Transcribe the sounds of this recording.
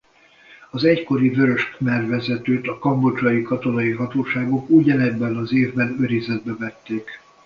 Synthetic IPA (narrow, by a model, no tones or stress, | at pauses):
ɒzɛcko̞ɾivøɾø̞ʃkmɛrvɛzɛt̪øːt̪ɒkɒmbo̞d͡ʒɒjikɒt̪o̞nɒjiɦɒt̪oːʃaːɡo̞kuɟɒnɛbːɛnɒzeːvbɛnøɾizɛd̪̚bɛvɛt̪ːeːk